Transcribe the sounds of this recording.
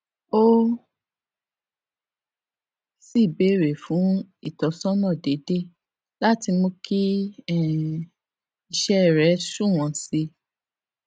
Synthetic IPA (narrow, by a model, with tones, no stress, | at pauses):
o˦ | si˦˨be˨˦˨ɾe˨fũ˨˦i˦˨tɔ˨˦sɔ̃˦nɔ̃˦˨de˨˦de˦ | la˦ti˧mo˧ki˦ɛ˦˨ | i˧˨ʃɛ˦˨ɾɛ˨˦sũ˦˨w̃ɔ̃˨˧si˧